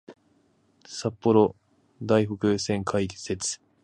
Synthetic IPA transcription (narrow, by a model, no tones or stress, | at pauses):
sapːo̞ɾo̞ | d̪aiɦokɯ̟sẽ̞ŋkʰaikse̞t͡sɨ̥